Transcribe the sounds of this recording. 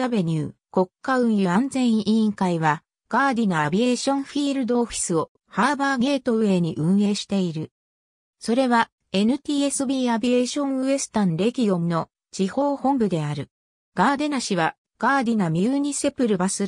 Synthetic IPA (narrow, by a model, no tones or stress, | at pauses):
abe̞ɲ̟ɯː | ko̞kːaɯ̟̃ɰ̃jɯ̟ãnzẽ̞ɰ̃ĩŋkaiβa | ɡ̥aːd̪ʲinaabʲie̞ːɕõ̞ɰ̃ɸiːɾɯ̟d̪o̞ːɸi̥sɨo̞ | haːbaːɡe̞ːt̪o̞ɯ̟e̞ɲ̟iʔɯ̟̃ɰ̃e̞ːɕi̥t̪e̞iɾɯ̟ | so̞ɾe̞βa | e̞nɯ̟t̪ʲiːe̞sɨbʲiːabʲie̞ːɕõ̞ɰ̃ɯ̟e̞sɨ̥t̪ãnɾe̞kʲijõ̞nno̞ | t͡ɕiho̞ːhõ̞mbɯ̟d̪e̞aɾɯ̟ | ɡ̥aːd̪e̞naɕiβa | ɡ̥aːd̪ʲinamʲiɯːɲ̟ise̞pɯ̟ɾɯ̟basɨ